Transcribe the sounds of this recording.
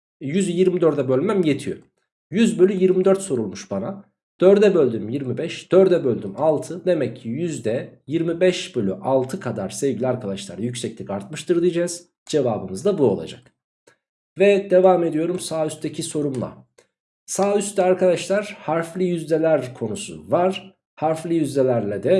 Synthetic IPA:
jyzjiɾmid̪øɾd̪ɛbø̞lʲmæmje̞t̪ʰijø̰ | jyzbølʲyjiɾmid̪øɾt̪so̞ɾulˠmuʃbana | d̪̥øɾd̪ɛbølʲd̪ymjiɾmibɛʃd̪̥øɾd̪ɛbølʲd̪ymalˠt̪ʰɯd̪e̞mɛcʰːijyzd̪ɛjiɾmibɛʃbølʲyʔalˠt̪ʰɯkʰad̪aɾsevɟilʲiaɾkʰad̪aʃlˠa̰ɾjycsɛclʲikaɾt̪̚mɯʃt̪ʰɯɾd̪ˠɯjd͡ʒaz̥ | d͡ʒe̞vaːbɯmɯzd̪abuo̞lˠa̰d͡ʒa̰k | vɛd̪e̞vaːme̞d̪ijo̞ɾumsaːyst̪ʰecʰiso̞ɾumlˠa̰ | saːyst̪ɛaɾkʰad̪aʃlˠaɾ̥haɾflʲˠijyzlʲelʲæɾkʰo̞nusṵvaɾ̥ | haɾflʲˠijyzlʲelʲæɾlʲɛd̪ɛ

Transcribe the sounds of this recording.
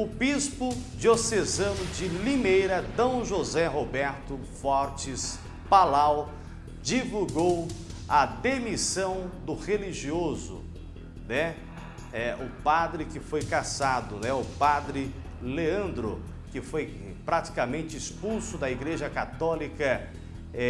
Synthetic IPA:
ʊbispʊd͡ʒiosezɐ̃nʊd͡ʒɪlimejɾɐd̪ɐ̃w̃ʒozɛɦobɛɾt̪ʊ | fɔɾt͡ʃɪs | palaw | d͡ʒivuɡow | ɐd̪emisɐ̃w̃d̪ʊʁeliʒiozʊ̰ | nɛ | ɛʊpad̪ɾɪkɪfojkasad̪ʊnɛʊpad̪ɾɪ | leɐ̃nd̪ɾʊ | kɪfoj | pɾat͡ʃi̥kamẽnt͡ʃɪispulsʊd̪ɐiɡɾeʒɐkat̪ɔlikɐ | ɛ

